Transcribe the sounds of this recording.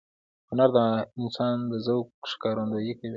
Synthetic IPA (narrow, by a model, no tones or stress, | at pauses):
hʊnaɾd̪aɪnsɑnd̪əzawkʃɪ̥kɑɾond̪ojekawi